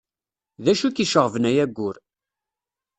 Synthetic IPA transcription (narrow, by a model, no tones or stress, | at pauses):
ðæʃukiʃəʁvnæjæɡʷːʊɾ